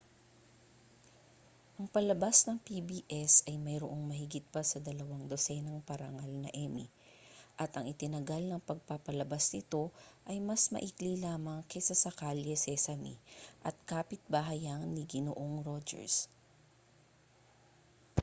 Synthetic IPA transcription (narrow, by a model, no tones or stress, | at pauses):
ʔɐŋpɐlɐbasnɐŋpibiːʔɛsɐjmɐjɾoʔo̞ŋmɐhɪɡɪt̪̚pɐsɐd̪ɐlɐwaŋd̪osɛnɐŋpɐɾɐŋalnɐ̰ʔɛmḭ | ʔɐt̪ʔɐŋʔɪt̪ɪnɐɡalnɐŋpɐɡ̚papɐlɐbasnɪt̪o̞ʔɐjmɐsmɐ̰ʔiklilaːmɐŋkɐjsɐsɐkaljɛsɛsɐmḭʔɐt̪̚kaːpɪt̪̚bɐɦɐjaŋniɡɪno̰ʔoŋɾod͡ʒɛ̰ɹs